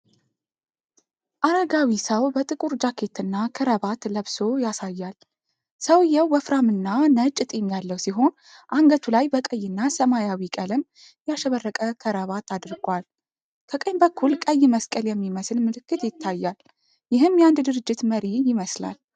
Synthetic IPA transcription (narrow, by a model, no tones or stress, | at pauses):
ʔaɾaɡawisəwbət̪ʼɨkʼuɾd͡ʒakʰe̞t̪ɨnːakʰəɾəβat̪ləβso̞jasajːal | səwjɛwːəfɾamɨnːanət͡ʃʼːɨt̪ʼɛmjalːəwsiɦo̞n | ʔaŋɡət̪ʰulajbəkʼəjːɪnːasəmajawikʼələm | jaʃəβərːəkʼəkʰəɾəβat̪ad̪ɾɡwal | kʰəkʼəjmbəkʰːulkʼəjːməskʼəljɛmːiməslmɨlɨkːɨt̪jɪt̪ʰːajːal | jɪɦɨmjand̪d̪ɨɾɨd͡ʒːɪt̪məɾijɪməsla̰l